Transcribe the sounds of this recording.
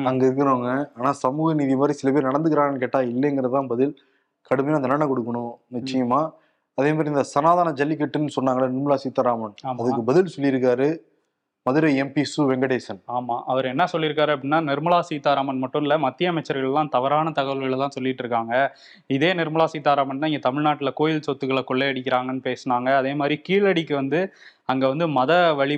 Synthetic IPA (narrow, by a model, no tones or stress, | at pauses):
ɐŋɡɐɪɾɯkːɐɾoːŋɡɐaːnaːsɐmuːɣɐniːðimaːd̪ɾisɪlɐpeːɾnɐɽɐnd̪ɯkːɪɾaːŋɐnːɯkeːʈːaːɪlːɐŋɡɪɾɐðɯlãːbɐðɪl | kɐɽɯmɐjõɐnd̪ɐnɐɳːɐkɔɽɯkːɐɳʊ̃nɪt͡ʃːɪjɐmaː | ɐðeːmaːd̪ɾiɪnd̪ɐsɐnaːðaːnɐd͡ʒɐlːikːɛʈːɯnːɯsɔnːaːŋɡɐɭɐnɪɾmɐɭaːsiːt̪ːaːɾaːmɐnaːmɐðɯkːɯbɐðɪlsɔlːɪɾɯkːaːɾɯ | mɐðɯɾɐɪɛmpisuʋɛŋɡɐɽeːsɐnaːmaːʔɐʋɐɾɯɛnːɐsɔlːɪɾɯk̬ːaːɾɯɐpːɐɽɪnːaːnɪɾmɐɭaːsiːt̪ːaːɾaːmɐnmɐʈːʊ̃ɪlɐmɐt̪ːɪjɐmɛt͡ʃːɐɾɣɐɭɛlãːt̪ɐʋɐɾaːnɐt̪ɐɣɐʋɐɭɣɐɭlãːsɔlːɪʈːɾɯkːaːŋɡɐ | ɪðeːnɪɾmɐɭaːsiːt̪ːaːɾaːmɐnnːaːɪŋɡɐt̪ɐmɪɻnaːʈːɪlɐkoːjɪlsɔt̪ːɯkːɐɭɐkɔɭːɛɐɽɪkʲːɪɾaːŋɡɐnːɯpeːsɯnaːŋɡɐːðeːmaːd̪ɾikiːɭɐɽɪkːɯʋɐnd̪ɯɐŋɡɐʋɐnd̪ɯmɐðɐʋɐɭɪ